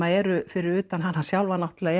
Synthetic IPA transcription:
aɛɾʏfɪɾɪɾʏːt̪anɦanːhḁsjawlvanaht̪ʏlɛːɣɛ

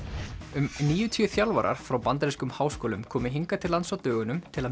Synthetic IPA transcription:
ʏmniːjʏt̪ʰijʏθjawlva̰ɾa̰ɾ̥fɾawpant̪ɾiskʏmhaːwskoːlʏmkʰɔːmɪɦiŋkat̪ʰɪlːansawt̪œːɣʏnʏmt̪ʰɪla

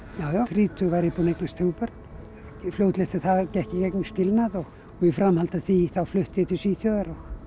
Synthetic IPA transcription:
jaːwjafɾiːt̪ʰʏɣvaɾipunejknast̪ʰewpœɾt̪n | flowt̪lɛst̪ɪθaðcɛhcɪcɛknʏscɪlnaðɔɣ | ɔɣifɾamhalt̪aθiθawflʏht̪ɪjɪt̪ʰɪsiθjœðaɾɔɣ

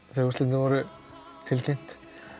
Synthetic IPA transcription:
θeusɪnɪvɔɾʏ | t̪ʰɪlcʰejm̥t̪

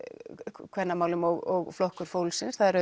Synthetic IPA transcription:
kʰvɛnːamaːwlʏmɔɣɔɣflɔhkʏɾ̥foːwlsɪnsθaðɛɾœ

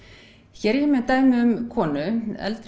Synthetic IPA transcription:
çɛːɾjɛmɛðt̪aːjmɪʏmkʰɔːnʏɛ̰lt̪ɾ

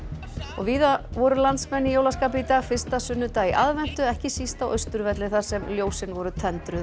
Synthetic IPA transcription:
ɔ̰ɣviːðavɔɾʏlant̪smɛnːɪjoːwlaskaːpɪit̪aːɣfɪr̥st̪asʏnːʏt̪aiʔaðvɛn̥t̪ʏɛhcɪsist̪awʔœɥst̪ʏɾvɛt̪lɪθaɾ̥sɛmljoːwsɪnvɔɾʏt̪ʰɛnt̪ɾʏ

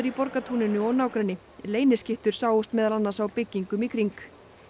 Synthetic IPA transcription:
ɪɾipɔɾkat̪ʰuːnɪnʏɔɣnaːwkɾɛnːɪ | leːjnɪscɪht̪ʏɾ̥saːwʊst̪mɛːðalanːaɾ̥sawpɪcːiŋkʏmikʰɾiŋk

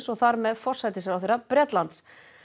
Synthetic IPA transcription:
sɔɣθaɾmɛðfɔr̥sajt̪ɪsaɾawθejɾapɾjɛt̪lant̪s

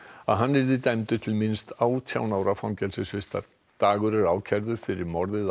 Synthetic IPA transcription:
aðɦanːɪɾðɪt̪ɛmt̪ʏt̪ʰɪlmɪnst̪aːwt̪ʰja̰ːwnaːwɾafawŋcɛlsɪsfvɪst̪a̰ɾ̥ | t̪aːɣʏɾɛɾaːwcʰɛɾðʏɾ̥fɪɾɪɾmɔɾðɪð

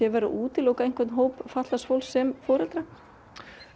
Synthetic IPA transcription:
jɛvɛɾʏ̰ʔuːt̪ɪlowkejnŋ̥kvʏt̪nɦoːwpfat̪lasfowlsɛmfɔːɾɛlt̪ɾa

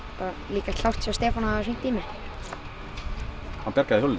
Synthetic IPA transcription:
paɾa | liːkḁt̪lawr̥t̪sɛst̪ɛːfɔnaasint̪ʰːiːmɪ | hanpjɛɾ̥kaðɪhœl

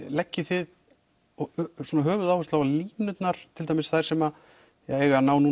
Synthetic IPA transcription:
lɛcːɪθɪð | ɔsuɔnaɦœːvʏðawhʏst̪lawvaliːnʏt̪naɾ̥t̪ʰɪlt̪ajmɪsθajɾ̥sɛma | jaɛɣanaːwnu

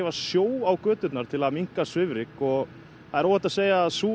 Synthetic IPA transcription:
ɛvasjoːwawkœːt̪ʏt̪naɾ̥t̪ʰɪlaðmiŋ̥kasvɪvɾɪkɔɣ | aðɛɾoːwhɛt̪aseːjaːðsuː

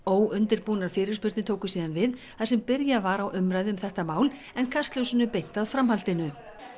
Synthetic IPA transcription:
oːwʔʏnt̪ɪɾpuːnaɾ̥fɪːɾɪɾspʏɾ̥t̪nɪt̪ʰoːwkʏ̥siːðanvɪðθasɛmpɪɾjavaɾawʔʏmɾaːjðʏʏmθɛht̪amaːwl | ɛnkʰast̪lœwsɪnʏpejn̥t̪aðfɾamhalt̪ɪnʏ

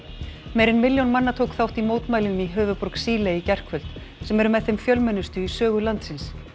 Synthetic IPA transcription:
mejɾɪnmɪljownmanːat̪ʰowkθawht̪imoːwt̪maːjlɪnʏmiɦœːvʏpɔɾksiːleicɛr̥kʰvœl̥t̪ | sɛmɛɾʏmɛðθejmfjœlmɛnːʏst̪ʏisœːɣʏlant̪sɪns

